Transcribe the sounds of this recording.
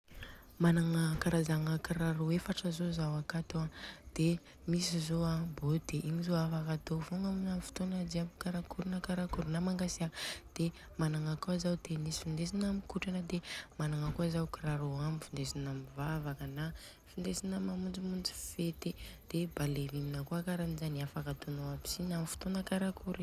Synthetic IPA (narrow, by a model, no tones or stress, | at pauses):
manaŋəkaɾazaŋəkiɾaɾoefaʈ͡ʂəzozawakat̪oad̪̥e | misizoabod̪̥eʔiɲizoafakat̪ovoŋaminamifu̥t̪onad͡ʒiamikaɾakuɾunəkaɾakuɾunamaŋɡasiad̪̥e | manaŋakuazawd̪̥enisi̥find̪es̬inamikuʈ͡ʂanəd̪emanaŋakuazawkiraɾoamifind̪esinamivavakəna | find̪esinamamund͡zimund͡zi̥fet̪ed̪̥ebaleviminakuakaɾamizaniafakat̪unoabi̥sinamifu̥t̪onəkaɾakuɾi